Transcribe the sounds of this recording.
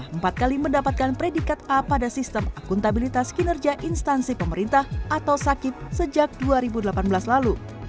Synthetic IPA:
əmpat̪̚kaliməndapat̪̚kanpɾedikat̪̚apadasist̪əmakunt̪abilit̪askinərɡiaʔinst̪ansipəməɾint̪ahʔat̪awsakɪt̪̚səd͡ʒak̚duaɾibudəlapanbəlaslalu

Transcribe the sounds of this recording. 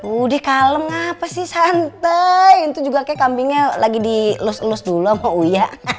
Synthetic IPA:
udɛhkaləmŋapasɪhsant̪ajunt̪ud͡ʒuɡakajakambiŋɲalaɡidilʊslʊsduluamaujaʔ

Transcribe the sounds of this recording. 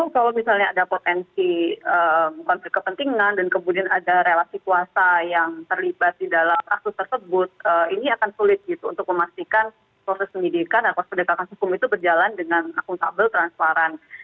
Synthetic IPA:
ukalawmisalɲaːdapot̪ɛnsiəmkɔnflɪk̚kəpənt̪iŋandankəmudianadaɾelasikuasajaŋt̪ərlibat̪̚didalama̰k̚sʊst̪ərsəbʊt̪̚əiniakansulɪt̪̚ɡit̪ṵːnt̪ʊk̚məmast̪ikan | pɾosɛspəndidikanakapəndəkakanɦukʊmit̪ubərd͡ʒalandəŋanakʊŋt̪abəlt̪ɾanspaɾan

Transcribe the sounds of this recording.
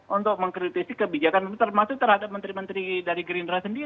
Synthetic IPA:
ʔunt̪ʊk̚məŋkɾit̪isikəbid͡ʒakant̪ərmasʊk̚t̪ərhadap̚mənt̪ɾimənt̪ɾidaɾiɡɾindɾasəndi

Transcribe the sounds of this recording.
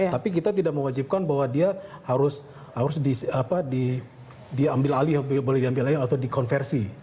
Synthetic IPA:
t̪apik̬it̪at̪idak̚məwad͡ʒip̚kanbaɦwadiahaɾʊs | haɾʊsdisapadi | diambɪlalibolɛhdiambɪlaliat̪adikɔnfɛrsi

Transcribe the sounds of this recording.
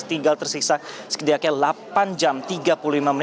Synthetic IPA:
t̪iŋɡalt̪ərsisak̚sə̥kədiakɲalapand͡ʒamt̪iɡapululimamən

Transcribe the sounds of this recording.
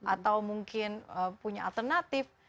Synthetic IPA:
ʔat̪awmuŋkɪnəpuɲaa̰lt̪ərnat̪ɪf

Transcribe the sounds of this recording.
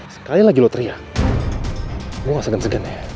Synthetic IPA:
sə̥kailaɡilot̪əɾia | ɡuŋasəɡansəɡana

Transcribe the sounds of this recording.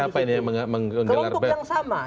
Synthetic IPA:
apainiməməŋəŋɡəlarbɛŋsama

